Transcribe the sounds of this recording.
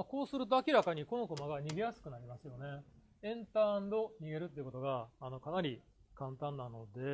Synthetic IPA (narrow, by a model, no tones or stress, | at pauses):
mako̞ːsɨɾɯ̟t̪̬o̞akʲiɾakaɲ̟iko̞no̞ko̞maɡaɲ̟iɡe̞jasɨ̥kɯ̟naɾʲimasɨjo̞ne̞ | ẽ̞nt̪ãnd̪o̞ɲ̟iɡe̞ɾɯt̪ːeiɯ̟ko̞t̪o̞ɡaːno̞kanaɾʲi | kãnt̪ãnːano̞d̪e̞